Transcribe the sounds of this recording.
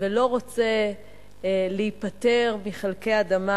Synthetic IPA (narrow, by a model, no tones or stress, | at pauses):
velo̞ʁot͡se̞ | leipat̪e̞ʁmiχelkeaːd̪ama